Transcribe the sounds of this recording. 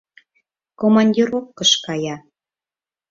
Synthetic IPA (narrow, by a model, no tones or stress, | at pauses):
komɑnʲdʲiɾofkəʃkɑjɑ